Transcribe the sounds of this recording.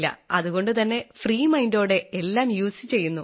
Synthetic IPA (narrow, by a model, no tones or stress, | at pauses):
lːɐ̰ɐðuɣo̞ɳɖɨt̪ɐnːe̞friːmɐjndo̞ːɽe̞elːaːmjuːsɨt͡ɕe̞jːunːu